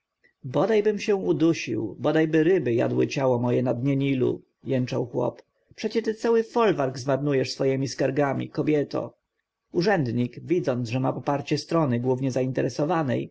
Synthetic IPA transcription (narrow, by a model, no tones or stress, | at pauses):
bɔd̪ajbɘmɕɛw̃ud̪uɕḭwbɔd̪ajbɘɾɘbɘja̰d̪wɘ̰t͡ɕawɔmɔjɛnad̪ɲɛɲilṵ | jɛnt͡ʂawxwɔ̰p | pʂɛt͡ɕɛt̪ɘt̪sawɘfɔlvaɾɡzmaɾnujɛʂsfɔjɛmʲiskaɾɡamʲḭkɔbʲjɛt̪ɔ̰ | uʐɛnd̪ɲikvʲid̪zɔnʐɛmapɔpaɾt͡ɕɛst̪ɾɔnɘɡwuvɲɛzaint̪ɛɾɛsɔvanɛ̰j